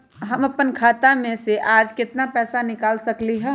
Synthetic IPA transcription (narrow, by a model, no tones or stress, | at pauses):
ɦɐmɐpənkʰaːt̪amẽseʔaːd͡ʒkɪt̪napɛːsanɪkaːlsɐkliɦɛː